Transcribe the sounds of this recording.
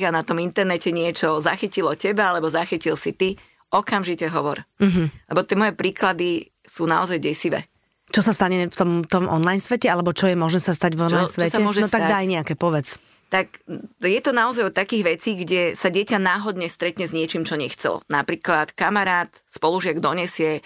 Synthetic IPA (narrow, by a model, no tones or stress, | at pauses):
ɣanat̪ɔmint̪ɛɾnɛcɛɲɪɛt͡ʃɔzaxicilɔcɛbaalɛbɔzaxicilsit̪i | ɔkamʒicɛɦɔʋɔ̰ɾ̩ɦ̩lɛbɔt̪ɪɛmɔjɛpɾiːklad̪i | suːnaɔzajɟɛsiʋɛ̰ː | t͡ʃɔsast̪aɲɛft̪ɔmt̪ɔmʔɔ̰nlajnsʋɛcɛalɛbɔt͡ʃɔjɛmɔʒnɛːsast̪aɟvɔnlajsʋt͡ʃɔsaɛmɔʒɛnt̪aɡ̪ad̪ajɲɛakɛpɔʋɛt͡s | t̪akjɛt̪ɔnaɔzajɔt̪akiːɣʋɛt͡siːɡɟɛsaɟɪɛcanaːɦɔd̪ɲɛst̪ɾɛt̪ɲɛzɲɪɛt͡ʃiːmt͡ʃɔɲɛxt͡sɛ̰lnapɾiːklat̪kamaɾaːt̪ | spɔluʒɪaɡd̪ɔɲɛsɪɛ